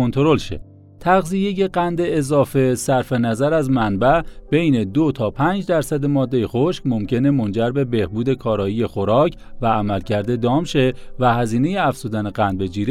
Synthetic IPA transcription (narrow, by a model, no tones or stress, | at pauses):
ont̪ʰoɾo̞lʃḛ | t̪ʰæɣzije̞je̞ɢænd̪eːzɒːfe̞sæɾfenæzæɾæzmænbæb̥e̞jne̞d̪ot̪ʰɒːpʰæːnd͡ʒd̪æɾsæd̪emɒːd̪ːe̞jexo̞ʃkmo̞mcʰe̞ne̞mo̞nd͡ʒæɾbe̞be̞hbuːd̪e̞kʰɒːɾɒːije̞xoɾɒːcʰ | væːmælcʰæɾd̪e̞d̪ɒːmʃe̞væhæziːne̞jeæfz̥uːd̪æneɢænd̪be̞d͡ʒiːɾ